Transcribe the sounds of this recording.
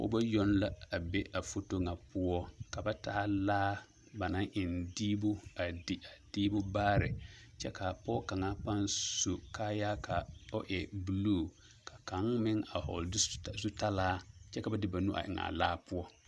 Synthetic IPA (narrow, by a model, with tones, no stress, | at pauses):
o̰˦ba˦jɔ˦nla˦a˨be˦ʔa˨fo˦to˦ŋa˨pʊ˦ɔ˦ka˨ba˦taː˦laː˦ | ba˨na˦ŋʔɪ˨ndiː˦bʊ˦a˨dɪ˨a˨d̥iː˦bʊ˦baː˦ɾɪ˨t͡ʃɛ˦ka˨pɔ˦ka˨ŋa˦pa˦nsu˨kaː˦ja˦ka˨o˦ʔɛ˨bu˦loː˦˨ | ka˨ka˨˦ŋmɪ˦ŋa˨hɔ̰˨lzu˦ta˦laː˦t͡ʃɛ˦ka˨ba˦dɪ˦ba˨nu˦ʔa̰˨ʔɪ̰˨ŋa̰˨laː˦pʊ˦ɔ˦